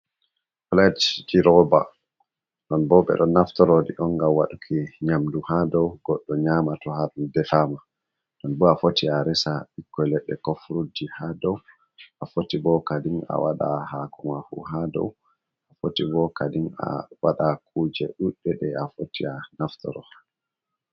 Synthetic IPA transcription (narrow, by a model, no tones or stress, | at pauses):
flɛdd͡ʒiɾɔba | ɗɔnbɔɓɛ̰ɗɔnːaftɔɾodḭʔɔŋɡamwaɗukʰiɲamduhadɔwɡ̥ɔɗːɔɲamatɔhaɗundɛfama | ɗɔnbɔafotiaɾɛsaɓikːɔlɛɗːɛ̰kofɾudihadɔw | ʔafotibɔkadiŋa̰waɗahakumahṵɦadɔ̰w | ʔafotibɔkadina̰waɗak̚ʰuːd͡ʒɛɗuɗːɛɗɛafotianaftɔ̰ɾɔ